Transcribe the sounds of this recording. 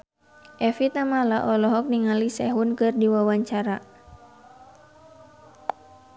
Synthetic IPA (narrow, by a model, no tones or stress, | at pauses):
ʔɛfit̪amalaʔɔlɔɦɔk̚niŋalisɛɦunkɨrdiwawaɲt͡ʃaɾa